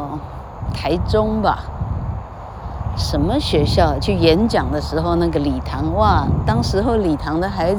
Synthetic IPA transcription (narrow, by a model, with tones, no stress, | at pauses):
t̪ʰa˧˥ɪʈ͡ʂʊ˥ŋba˨ | ʂə˧˥nmə˧ɕɥɛ˧˥ɕjɑ˥˩ʊt͡ɕʰy˥˩jɛ˧˥nt͡ɕjɑ˨˩ŋd̪ə˦ʂɻ̩˧˥xo˥˧ʊna˥˩ɡə˩li˨˩t̪ʰɑ˧˥ŋwa˥˩t̪ɑ˥ŋʂɻ̩˧˥xo˥˩ʊli˨˩t̪ʰɑ˧˥ŋd̪ə˧xa˧˥ɪ